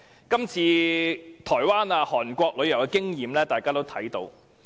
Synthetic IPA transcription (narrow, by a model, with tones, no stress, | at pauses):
kɐ˥mt͡sʰiː˧t̪ʰɔː˨˩jwaː˥naː˧hɔː˨˩nkʷɔː˧k̚lɵ˨˧ɥjɐ˨˩wɡkɪ˥ŋjiː˨˧mlɛː˥t̪aː˨jkaː˥t̪o˥wt̪ʰɐ˨˥jt̪o̰˧w